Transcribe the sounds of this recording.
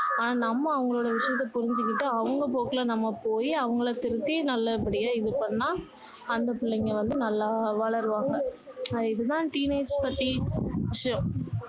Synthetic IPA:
aːnaːnɐmːɐːʋɐŋɡɐɭoːɽɐʋɪʂɐjɐt̪ːɐpʊɾɪɲd͡ʒɯkːɪʈːɯɐʋɐŋɡɐpoːkɐlanɐmːɐpoːjiɐʋɐŋɡɐɭɐt̪ɪɾɯt̪ːinɐlːɐɛpːɐɽɪjaːɪðɯpɐɳːaː | ɐnd̪ɐpɪɭːɐŋɡɐʋɐnd̪ɯnɐlːaːʋɐɭɐɾɯʋaːŋɡɐɪðɯt̪ãːʈiːneɪspɐʈːiʋɪʂɐjɐ̃

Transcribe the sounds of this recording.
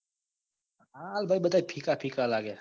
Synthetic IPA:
ɦalbʱaːiɓət̪aːipʰiːkapʰiːkalaːɡja

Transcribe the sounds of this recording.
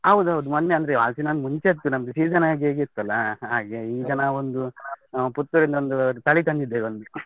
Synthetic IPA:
ɦɐwd̪uɦɐʋd̪umɐnːeɐnd̪ɐɾea̰ːlsinɐnmuɲt͡ʃeːt̪ːunɐmɡ̪esiːd͡ʒɐnaːɡeːɡeːt̪ːɐlːɐɦaːɡe̞iːd͡ʒɐnɐond̪uput̪ːuɾind̪ond̪ut̪ɐɭit̪ɐnd̪id̪ːeːʋond̪ɾe

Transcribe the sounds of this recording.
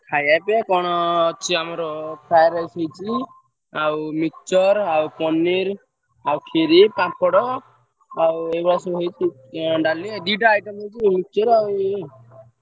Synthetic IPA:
kʰajajpekɔɽ̃ɔt͡ʃʰiamɔɾɔpʰajɾajsejt͡ʃʰi | awmikt͡ʃɔɾawpɔniɾ | awkʰiɾipãpʰɔɽɔ | awebɽasɔɦejt͡ʃʰi | ɖalid̪iʈaːjʈɔmɔjt͡ʃʰimikt͡ʃɔɾaw

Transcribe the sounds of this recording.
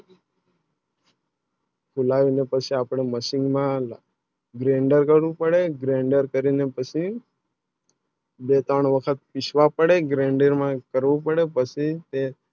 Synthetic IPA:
kʰulaʋinepət͡ʃʰiapɽ̃eməsɪ̃ŋɡmã | ɡɾeɳɖəɾkəɾʋũpəɽeɡɾẽɳɖəɾkəɾinepət͡ʃʰi | bet̪əɳʋəkʰət̪̚piʃʰʋapəɽeɡɾẽɳɖeɾmãkəɾʋũpəɽepət͡ʃʰit̪e

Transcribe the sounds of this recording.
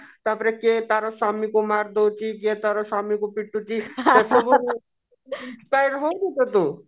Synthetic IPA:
t̪apɾeket̪aɾosamikumaɾd̪owt͡ʃʰik̬et̪aɾosamikupiʈːut͡ʃʰit̪esobu | spajɾɦõk̪it̪et̪u

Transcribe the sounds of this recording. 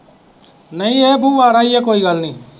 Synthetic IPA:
nəĩːeːbuːʋaːɾaːiːɛːkoːiːɡəlnĩː

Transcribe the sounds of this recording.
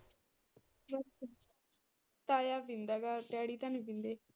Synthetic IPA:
ɾə | t̪aːjaːbɪnd̪aːɡaːʈɛːɽiːt̪ãnibɪ̃nd̪eː

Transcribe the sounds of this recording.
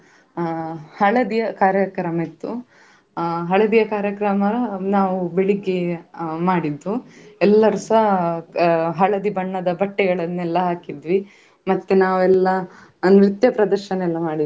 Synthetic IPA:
hɐɭɐd̪ijɐkaːɾjɐkɾɐmet̪ːu | ɦɐɭɐd̪ijɐkaːɾjɐkɾɐmɐnaːʋubeɭiɡemaːɽid̪ʋuɛlːɐɾusɐ | ɦɐɭɐd̪ibɐɳːɐd̪ɐbɐʈːɛɡɐɭɐnːɛlːɐɦaːkid̪ʋi | mɐt̪ːenaːʋuɛlːɐ | nɾit̪jɐpɾɐd̪ɐɾʃɐnɛlːɐmaːɽi

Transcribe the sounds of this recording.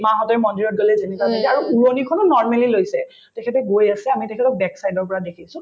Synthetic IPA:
mãɦɔtɛmɔndiɹɔt̚ɡɔlɛzenɛkamitɛaɹuuɹonikʰɔnɔnːɔɹmɛlilojsɛ | tɛkʰɛtɛɡojasɛamitɛkʰɛtɔk̚bɛksajdɔɹpɔɹadekʰisʊ̃

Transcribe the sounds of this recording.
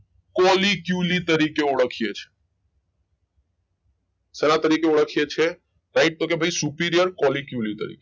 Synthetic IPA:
kɔlikjulit̪əɾikeoɽəkʰiet͡ʃʰe̥ | seɾat̪əɾikeoɽəkʰiet͡ʃʰe | ʈaɪʈ̚t̪okebʱaisupiɾijəɾkɔlikjulit̪ə̰ɾḭke

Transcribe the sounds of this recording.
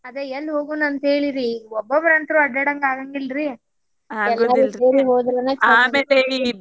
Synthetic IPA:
ɐd̪eɛlːɦoːɡuːnɐnt̪eːɭiɾiɔbːɐbɐɾɐnt̪ɐɾuɐɖɐɽɐŋɡaːɡɐŋɡilɾi | ɛlːaːuseːɾiɦoːd̪ɾɐnːeːt͡ʃːmeːlei

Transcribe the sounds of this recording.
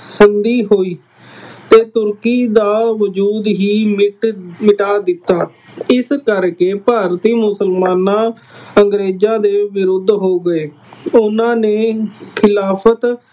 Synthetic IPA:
sɪnd̪iːɦoːiː | t̪eːt̪ʊɾkiːd̪aːʋəd͡ʒuːd̪ɦiːmɪʈmɪʈaːd̪ɪt̪ːaː | ɪskəɾkeːpaːɾt̪iːmʊsəlmaːnãː | əŋɡɾeːd͡ʒãːd̪eːʋɪɾʊd̪ʱɦoːɡəeː | ʊnãːneːkʰɪlaːpʰət̪

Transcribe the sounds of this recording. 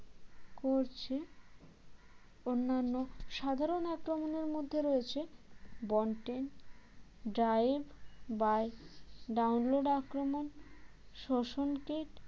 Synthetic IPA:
koɾt͡ɕʰe | onːanːoʃad̪ʱaɾonakɾomoneɾmod̪ʱːeɾoet͡ɕʰebɔɳʈen | ɖɾajbbajɖawnloɖakɾomon | ʃoʃonkiʈ

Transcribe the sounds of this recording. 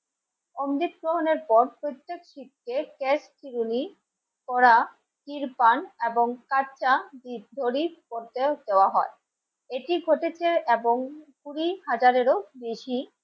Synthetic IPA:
omd̪it̪̚ɡɾoɦoneɾpɔɾpɾot̪ːekʃit̚kekestiɾuni | kɔɾa | t̪iɾpaneboŋkat͡ɕad̪ib̚d̪ʱoɾipoɾt̪ed̪eoaɦɔe | eʈiɡʱoʈet͡ɕʰeeboŋkuɾiɦad͡ʑaɾeɾobeʃi

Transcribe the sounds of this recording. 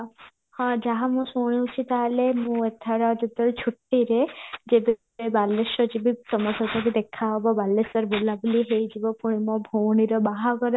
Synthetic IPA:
hɔ̃d͡ʒaɦamũsoɽ̃iut͡ʃʰit̪alemũet̪ʰaɾad͡ʒet̪ːɔɾt͡ʃʰuʈːiɾed͡ʒebe | ebalːeʃɔd͡ʒibisɔmɔsɔt̪akid̪ekʰːaɦɔbɔbalːesɔɾbolabuliɦejd͡ʒibɔpuɽ̃imɔ̃bʱowɽ̃iɾɔbaɦaɡɔɾe

